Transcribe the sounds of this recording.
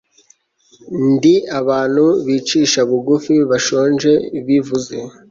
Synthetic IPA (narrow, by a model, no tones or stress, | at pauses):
ndiaβaːn̥huβiːt͡ʃiːʃaβuɡufiβaʃoːnʒe̞βivuze̞